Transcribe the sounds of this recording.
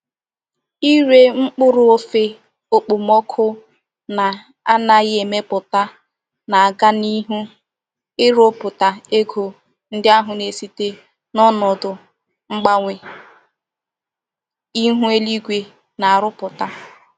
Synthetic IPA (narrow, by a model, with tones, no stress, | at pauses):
i˦ɾe˦ŋ͡m̩˦k͡pʊ˦ɾʊ˦o˦fe˦ | o˦k͡po˨mɔ˦kʰʊ˦ | na˨ | a˦na˨ɣe˨me˦pʊ˨ta˦ | na˨a˨ɡa˦ni˦ɦu˦ | ɪ˦ɾo˦pʊ˨ta˨e˦ɡo˨ | n̩˦dɪ˦a˦ɦʊ˨ne˨si˦te˦ | nɔ˦nɔ˨dʊ˨ | ŋ͡m̩˦ɡ͡ba˦ŋʷe˨ | i˦ɦu˦e˦li˦ɡʷe˨ | na˨a˨ɾʊ˦pʊ˨ta˦